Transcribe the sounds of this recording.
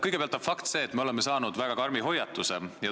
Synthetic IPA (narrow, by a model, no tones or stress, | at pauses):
kɤjɡ̥epeɑlt̪ːˑɑfɑkt̪se̞ːt̪meo̞le̞mːe̞sɑːnud̪̥væɡ̥ɑkɑrmiɦo̞jɑt̪ːˑusejɑ